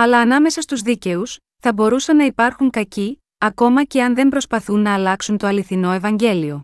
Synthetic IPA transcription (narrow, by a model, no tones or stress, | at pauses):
ɐlɐːnɐme̞sɐst̪uzðice̞us | θɐbo̞ɾusɐnːɐipɐɾxuŋkɐci | ɐko̞mɐce̞ɐnðe̞mbɾo̞spɐθunːɐːlɐksunt̪o̞ɐliθino̞e̞vɐɲɟe̞lio̞